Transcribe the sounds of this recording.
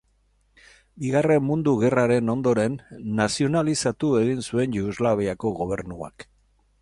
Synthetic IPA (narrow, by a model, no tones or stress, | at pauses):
biɣare̞mmund̪uɣe̞raɾe̞no̞nd̪o̞ɾe̞nːasio̞nalisat̪ue̞ɣinsue̞nʎuuzlaβeako̞ɣo̞β̞e̞ɾnua̰k